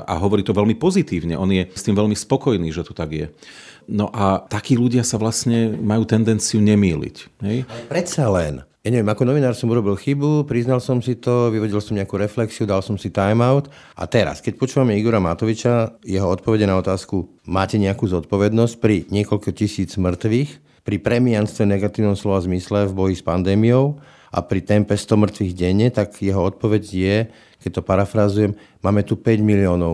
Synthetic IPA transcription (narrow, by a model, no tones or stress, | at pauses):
a̰ɦɔʋɔɾiːt̪ɔʋɛlmipɔzit̪iːʋɲɛʔɔnjɛst̪iːmʋɛʎmispɔkɔjniːʒɛt̪u̥t̪aɡɪjɛ̰ | nɔʔat̪akiːluɟɪasaʋlasɲɛmajuːt̪ɛnd̪ɛnt͡siuɲɛmiːlḭcɦɛjɛpɾɛt̪salɛnjaɲɛʋjɛmakɔnɔʋinaːɾsɔmuɾɔbilxibupɾiznalsɔmsit̪ɔʋiʋɔɟilsɔmɲɛakuːɾɛflɛksiud̪alsɔmsit̪ajmaʊt̪ | a̰t̪ɛɾa̰skɛc̚pɔt͡ʃuːʋamɛiɡɔɾamat̪ɔʋit͡ʃajɛɦɔɔt̪̚pɔʋɛɟɛnaɔt̪aːsku | maːcɛɲɛakuːzɔt̪̚pɔʋɛd̪nɔsc̚pɾiɲɪɛkɔlkɔcisiːd͡zmr̩t̪ʋiːx | pɾipɾɛmianst̪ʋɛnɛɡat̪iːʊnɔmslɔazmislɛvbɔjispand̪ɛːmijɔʊ | ʔa̰pɾit̪ɛmpɛst̪ɔmr̩t̪ʋiːɣɟɛɲːɛt̪akjɛɦɔɔt̪̚pɔʋɛɟjɛ | kɛc̚t̪ɔpaɾafɾazujɛm | maːmɛt̪upɛɟmiliɔːnɔʊ